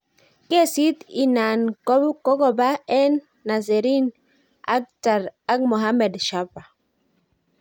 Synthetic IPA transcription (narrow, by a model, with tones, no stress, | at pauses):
ke˦si˦t̪i˨na˨nkɔ˦bkɔ˦ɡɔ˦ba˦ɛ˦nː | a˨zɛ˨ɾi˦n | a̰˦k̚ta˨ɾa˦k̚mo˨ɦa˦mɛ˨dʃa˦pa˨